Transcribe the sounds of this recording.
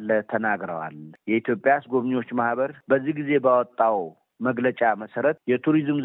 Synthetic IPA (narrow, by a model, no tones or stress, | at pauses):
lt̪ʰənaɡɾə̰wa̰ljɛit̪ʰjo̞pʼːjasɡo̞βɲwo̞t͡ʃːmahbəɾbəzːihɡize̞bawɔt̪ʼːaw | məɡlət͡ʃʼaməsəɾət̪jɛt̪ʰuɾizm